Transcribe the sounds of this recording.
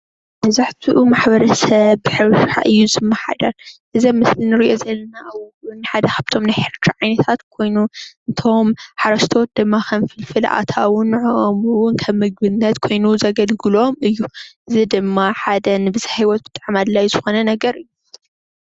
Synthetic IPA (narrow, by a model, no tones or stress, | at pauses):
mɐzaħt̪ʰiʔumaħbɐɾɐsɐβːɨħɨɾʃuħa̰ʔɨjːuzɨmːɐħa̰d̪ɐɾʔɨzɐmɨslinɨɾiʔo̞zɐlːɐnaʔawɔwunːħad̪ɐkʰaβt̪ʰo̞mnajħɪɾt̪ʰaʕajnɐt̪ʰat̪kʰo̞jnuʔɨnt̪ʰo̞mħaɾɐʃt̪ʰot̪̚d̪ɨmːakʰɐmfɨlfɨl̰ʔa̰t̪ʰawʊnʕuʔomɨwʊnkʰɐβmːɨɡ̚bɨnːɐt̪kʰo̞jnuzɐɡɐlɡɨlomɨjːuʔɨzid̪ɨmːaħad̪ɐnɨbɨzahiwɔt̪̚bɨt̪ʼaʕmad̪lajzɨxo̞nɐnɐɡɐɾɨjːu